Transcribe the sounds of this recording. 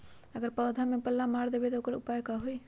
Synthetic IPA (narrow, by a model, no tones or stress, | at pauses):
əɡəɾpəːd̪ʱamẽpəlːamaːɽd̪eːbet̪oʊkəɾʊpaːjkaɦoi